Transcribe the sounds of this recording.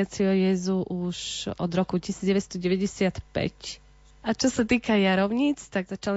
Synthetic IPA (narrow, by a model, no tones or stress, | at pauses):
at͡siɔjɛzuʔuʃɔd̪ɾɔkucisiːd͡zɟɛʋɛst̪ɔɟɛʋɛɟɛsɪat̪pɛ̰c | ʔat͡ʃɔsat̪iːkajaɾɔʊɲit͡st̪aɡzat͡ʃal